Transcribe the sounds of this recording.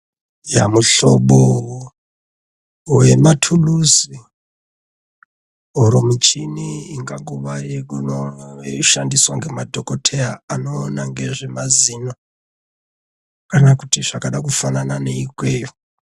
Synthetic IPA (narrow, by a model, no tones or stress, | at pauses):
jamuɬo̰ɓo | we̞matʰulusi | oɾomut͡ʃiniiŋɡaŋɡuʋajekunoʃandiswaŋɡe̞madʱokotʰeaanoːnaŋɡe̞ʐemazino | kanakutiʐ̥akaɗakufananane̞ikwejo